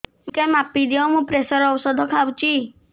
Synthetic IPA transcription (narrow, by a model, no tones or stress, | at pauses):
ũkemapːid̪iɔmũpɾesɔɾɔwsɔd̪ʱɔkʰawt͡ʃi